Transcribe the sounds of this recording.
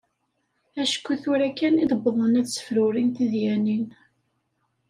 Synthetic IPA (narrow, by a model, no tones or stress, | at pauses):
æʃə̥kʷːuθʊɾækːæniðəbːəðˤənæsə̥fɾʊɾint̪iðjænin